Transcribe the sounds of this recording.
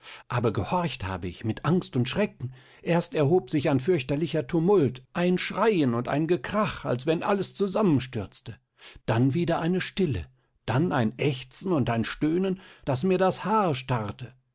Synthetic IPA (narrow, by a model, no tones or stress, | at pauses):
ʔaːbɐɡəhɔɐçtha̰ːbəɪçmɪtʰʔaŋstʊntʃʁ̥ɛkŋ̩ | ʔeːɐstɛɐɦoːpz̥ɪçaɪnfʏɐçtɐlɪçɐtʰumʊltʔaɪnʃʁ̥aɪənʊnta̰ɪnɡəkʁ̥aχa̰lsv̥ɛnʔaləst͡suzamənʃtʏɐt͡stə | d̥anviːdɐʔaɪnəʃtɪlə̰ | d̥anʔaɪnʔɛçt͡sn̩ʊntaɪnʃtøːnənd̥asmiːɐdashaːɐʃtaʁtə